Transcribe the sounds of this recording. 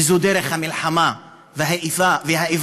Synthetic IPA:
zud̪eɾeχhamilħama | veɦaʔifaveɦaʔiv

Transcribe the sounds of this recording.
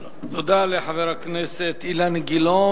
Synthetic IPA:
t̪od̪aleħaveɾakneset̪ilanɡilo

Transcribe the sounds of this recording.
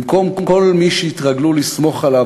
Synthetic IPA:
mko̞mkokolmiʃeit̪ʁaɡlulismo̞χala

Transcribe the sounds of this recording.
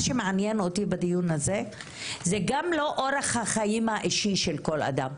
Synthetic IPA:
ʃemeʕanjeno̞t̪ibad̪ijunaze̞ | zeɡamlo̞ʔoɾeχhaχajimaʔiʃiʃelko̞la̰d̪am

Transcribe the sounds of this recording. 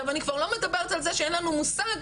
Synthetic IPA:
avanikvaʁlo̞me̞dabe̞ʁet̪alzeʃeenlanumusaɡ

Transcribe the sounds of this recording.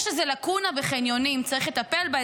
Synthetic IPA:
ʃezelakunaveχenjo̞nimt͡saʁiχlet̪ape̞lba

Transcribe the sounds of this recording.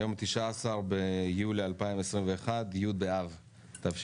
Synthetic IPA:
jo̞mt̪iʃaːsaʁbejulialpaimesʁimveeχad̪jud̪̚beav | t̪afʃ

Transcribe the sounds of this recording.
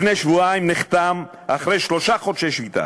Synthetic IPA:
fnejʃvuaimniχt̪am | ʔaχɾejʃloʃaχodʃeʃvit̪a̰

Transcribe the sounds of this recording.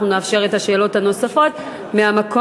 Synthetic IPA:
nuneafʃe̞ʁe̞thaʃe̞ːlo̞thano̞safo̞t | meamako

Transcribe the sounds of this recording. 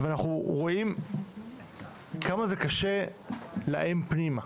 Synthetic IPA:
veanaχuʁo̞im | kamazekaʃela̰ʔempnima

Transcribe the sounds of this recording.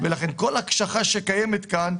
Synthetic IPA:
velaχenko̞lakʃaχaʃekajemet̪kan

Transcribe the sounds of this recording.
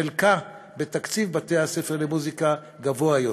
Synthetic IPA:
elka | bet̪akt͡sivbat̪ejhase̞feʁlemuzika | ɡavoajo

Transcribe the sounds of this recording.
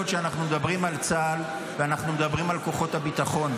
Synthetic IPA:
otʃeanaχnumed̪abʁimalt͡sal | veanaχnumed̪abʁimalko̞χo̞t̪habit̪aχo̞n

